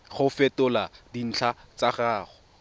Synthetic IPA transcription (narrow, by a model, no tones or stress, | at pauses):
χʊfɛtʊladin̩t͡ɬʰat͡saχaːχɔ